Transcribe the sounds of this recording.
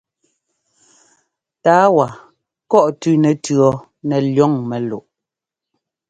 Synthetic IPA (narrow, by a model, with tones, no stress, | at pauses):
taː˨˦wa˨ | kɔ˦˨ʔtʉ˦nɛ˨tɰɔ˨ | nɛ˨ljɔ˦˨ŋmɛ˨lo˨ʔ